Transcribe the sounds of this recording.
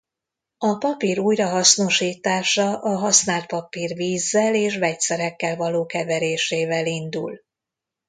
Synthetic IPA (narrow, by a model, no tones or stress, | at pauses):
ɒpɒpiːɾuːjrɒɦɒsno̞ʃiːt̪aːʃɒʔɒɦɒsnaːlt̪̚pɒpiːrviːzːɛleːʃvɛc̪̚sɛɾɛkːɛlvɒloːkɛvɛɾeːʃeːvɛlind̪ṵl